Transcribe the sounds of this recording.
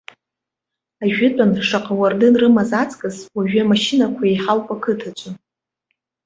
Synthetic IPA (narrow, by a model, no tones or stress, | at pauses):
aʒᶣɪtʼanʂaqʼawardɨnrɨmazat͡sʼkʼɨzwaʒᶣʏamaʃinakʷʰaeħalpʷʼakʰɨtʰat͡ʃʷʼa